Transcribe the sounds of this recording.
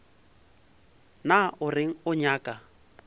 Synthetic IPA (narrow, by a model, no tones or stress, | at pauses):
naʊrɪŋ̩ʊɲaːkʼa